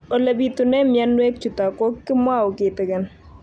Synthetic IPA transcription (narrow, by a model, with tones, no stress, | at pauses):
o˨lɐ˨bi˨tʊ˨nɛ˦mja˦nwɛ˦k̚t͡ʃu˨ta˨kɔ˦kːɪ˦mwa˦ʊ˨kɪ˨tɛ˨kɛ˨n